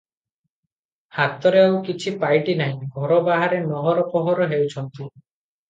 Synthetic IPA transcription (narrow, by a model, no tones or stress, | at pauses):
hat̪ɔɾeawkit͡ʃʰipajʈinaɦĩɡʱɔɾɔbaɦaɾenɔɦɔɾɔpɔɦɔɾɔɦewt͡ʃʰɔnt̪i